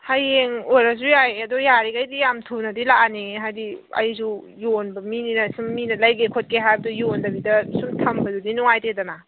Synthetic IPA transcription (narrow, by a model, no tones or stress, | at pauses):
hajeŋojɾasujajɐdɔjaɾiɡajdijamtʰunɐdilaaniɦajdiɐ̰jzu | jonbɐmininɐsumːinɐlajɡekʰot̚keɦajbdujondɐbidɐsumtʰɐmbɐzudinuŋajtedɐna